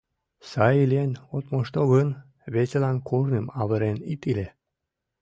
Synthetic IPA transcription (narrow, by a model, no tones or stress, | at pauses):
sɑilienot̪moʃt̪oɣən | βet͡selɑnkʰornəmɑβəɾenit̪ile